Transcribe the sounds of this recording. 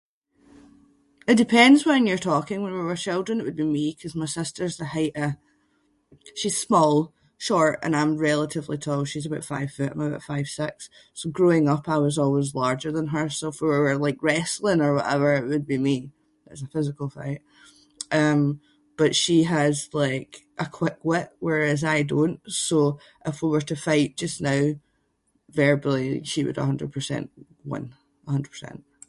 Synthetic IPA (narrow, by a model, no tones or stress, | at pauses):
ɪʔ̚d̥ɪpʰɛ̃ndzwə̃njə˞tʰɔkɪ̃ŋwə̃nwəwə˞t͡ʃʰɪlˠdɹə̃nɪʔwəd̚bimikʰʌzmaɪsɪstə˞zðəhaɪʔə | ʃiz̥smɔlˠ | ʃɔɹʔə̰̃nãɪ̃mɹɛlˠəʔɪvlˠitʰɔlˠʃizəbaʊtfa̰ɪv̥fʉʔãɪ̃məba̰ʊʔfaɪv̥sɪksː | oɡɹoɪ̃ŋʌpʰaʊəzɔlˠwɪzlˠɑɹd͡ʒə˞ðə̃nə˞sofə˞əwə˞lˠaɪkɹɛsl̩ˠɪ̃ŋə˞wɔʔɛvə˞ɪʔwəd̚bimi | ða̰tsəfɪzɪkəl̩ˠfa̰ɪʔ | ʔʌ̃m | b̥ʌʔʃiəz̥lˠaɪkʔəkʰw̥ɪkwɪʔwə˞ɪzaɪdõnʔso | ʔɪfwiwə˞tʰəfaɪʔd̥ʒ̥ʌsnaʊ | vɛɹbəl̩ˠiʃiwə̰ɾə̰ɦʌ̃ndɹə̰d̚pʰə˞sɛ̰̃nʔ | wʌ̰̃n | ʔəhʌ̃ndɹəd̚pʰə̥˞sɛ̰̃nʔ